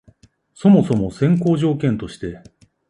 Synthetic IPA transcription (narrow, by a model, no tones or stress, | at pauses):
so̞mo̞so̞mo̞sẽ̞ŋko̞ːʑo̞ːkẽ̞nt̪o̞ɕi̥t̪e̞